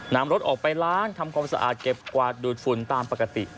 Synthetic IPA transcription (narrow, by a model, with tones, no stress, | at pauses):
naː˦˥mɾo˦˥t̪̚ʔɔː˨˩k̚pa˧jlaː˦˥nt̪ʰa˧mkʰaː˧msa̰˧ʔa̰ː˨˩t̪̚ke˨˩p̚kwaː˨˩t̪̚duː˨˩t̪̚fu˨˩nt̪aː˧mpa˨˩ka˧t̪i˨˩